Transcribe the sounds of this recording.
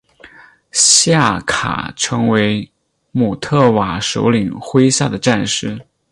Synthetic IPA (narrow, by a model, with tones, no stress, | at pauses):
ɕja˥˩kʰa̰˨˩ʈ͡ʂʰɤ˧˥ŋwe˧˥ɪ | mu˨˩t̪ʰɤ˥˩wa˨˩ʂo̰˧˥ʊli˨˩ŋxwe˥ɪɕja˥˩d̪ə˩ʈ͡ʂa˥˧nʂɻ̩˥˩